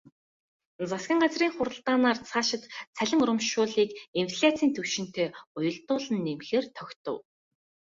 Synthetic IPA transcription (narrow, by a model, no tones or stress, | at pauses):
t͡sasɡʲĭŋɢat͡sriːŋχʊɾə̆ɬt̪aːnaːrt͡sʰaːʃɪ̆t̪t͡sʰæɮʲɪ̆ŋʊɾə̆mʃʊːɮiːkinfɮʲat͡siːnt̪ʰɵwʃɪ̆n̥t̪ʰeːʊjɞ̆ɮt̪ʊːɮə̆nːemxeːrt̪ʰœkʲt̪ɞ̆w